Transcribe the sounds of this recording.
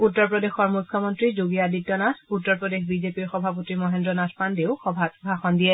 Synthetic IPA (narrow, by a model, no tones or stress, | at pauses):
utːɔɹpɹɔdexɔɹmujkʰːɔmɔntɹizoɡiaditːɔnatʰutːɔɹpɹɔdexbizepiɹxɔbʱapotimɔɦendɹɔnatʰpandeʊxɔbʱabʱaxɔndijɛ